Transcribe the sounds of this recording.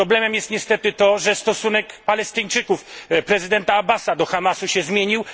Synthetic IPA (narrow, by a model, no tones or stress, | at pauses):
ɾɔblɛmɛmjɛst̪ɲɛst̪ɛt̪ɘt̪ɔʐɛst̪ɔsunɛkpalɛst̪ɘɲt͡ʂɘkufpɾɛzɘd̪ɛnt̪aːbasad̪ɔxamasuɕɛzmʲjeɲiw